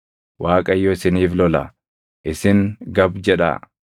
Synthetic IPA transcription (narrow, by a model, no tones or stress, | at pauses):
wʔaːkʼɐjːɔɪsɪniːflɔlɐ̰ | ʔɪsɪŋɡɐbd͡ʒɛᶑɐ̰